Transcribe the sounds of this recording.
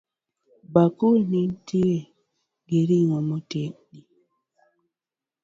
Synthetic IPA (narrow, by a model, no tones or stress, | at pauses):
bakunintie | ɡeɾiŋomoteni